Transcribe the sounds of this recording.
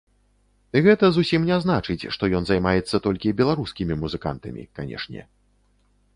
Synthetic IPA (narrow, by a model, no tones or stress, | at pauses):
ɣɛt̪ɐzusʲimnʲɛznat͡ʂɨt͡sʲʂt̪ɔjɔnzajmajɛt̪sːɐt̪ɔlʲkʲibʲɛlˠaɾuskʲimʲimuzɨka̰nt̪ɐmʲḭkanʲɛ̰ʂnʲɛ̰